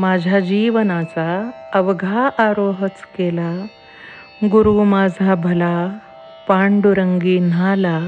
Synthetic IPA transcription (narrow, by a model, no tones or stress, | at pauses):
mad͡ʑʱad͡ʑiʋnat͡saəʋɡʱaʔaɾoɦət͡skela | ɡuɾumad͡zʱabʱəla | paɳɖuɾəŋɡiːnala